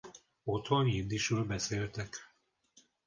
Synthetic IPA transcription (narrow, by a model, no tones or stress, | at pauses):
ot̪ho̞nind̪iʃɾøːlbɛseːlt̪ɛk